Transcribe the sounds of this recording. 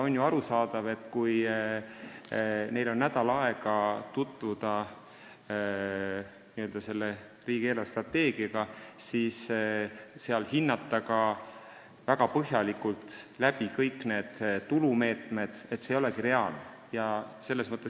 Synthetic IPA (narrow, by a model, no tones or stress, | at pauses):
o̞njuɑɾusɑːd̪̥ɑve̞t̪ːkuj | ne̞jlo̞nːæd̪̥ɑlɑe̞ɡ̥ɑt̪ut̪ːˑvud̪̥ɑ | niøld̪ɑse̞lːe | riːɡ̥ielɑst̪rɑt̪ːe̞ːɡ̥iɑɡ̥ɑsiːs | se̞ɑlhinːɑt̪ˑːɑɡɑ | væɡ̥ɑpɤɦjɑlikult̪læb̥ikɤjkːˑne̞ːd̪̥t̪ulume̞ːt̪ˑme̞d̪̥e̞t̪ːsejo̞lekiɾe̞ɑl | jɑse̞lːe̞smɤt̪ˑːe